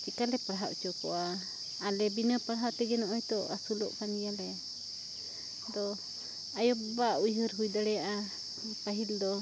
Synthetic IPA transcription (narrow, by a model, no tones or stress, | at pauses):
t͡ʃikalɛpaɽɦaʔt͡ʃɔkɔ̰ʔaː | lɛbinəpaɽaɦaʔt̪ɛɡɛnɔʔɔjt̪ɔasulɔ̰ʔpʰanijalɛ | d̪ɔ | ajɔbaujɦəɾɦujd̪aɽɛjaʔa | paɦild̪ɔ